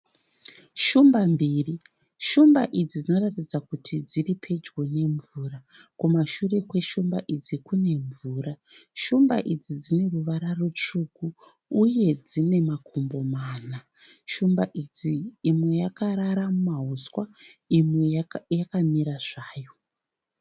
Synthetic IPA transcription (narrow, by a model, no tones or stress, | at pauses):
ʃumbambiːri | ʃumbaʔid͡zid͡zino̞ratid͡zakutʰid͡ziripʰe̞d͡ʒɡone̞ɱvuːra | kumaʃure̞kwe̞ʃumba̰ʔid͡zikune̞ɱvuːɾa | ʃumba̰ʔid͡zid͡zine̞ruʋaɾarot͡ʃukuː | je̞d͡zine̞makʰumbo̞maːna | ʃumbaʔid͡ziːmwe̞jakaɾaɾamumaɦuswaimwejakamiɾaʐaːjo̞